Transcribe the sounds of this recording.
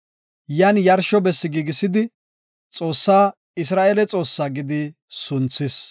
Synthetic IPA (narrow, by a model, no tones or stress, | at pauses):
jɐnjɐɾʃɔbɛsːɪɡiːɡɪsɪd̪ɪ | t͡sʼo̞ːsːaː | ɪs̬ɾaːʔeːlɛt͡sʼo̞ːsːaːɡɪd̪ɪ | sʊnt͡sːɪs